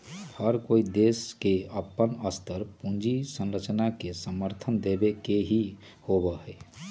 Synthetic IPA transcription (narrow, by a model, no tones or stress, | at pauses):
həɾkoːid̪eːskeəpːənəst̪ʰəɾpũnd͡ʒisə̃nɾət͡ʃnakesəməɾt̪ʰənd̪eːbekeɦi | hobəɦɛː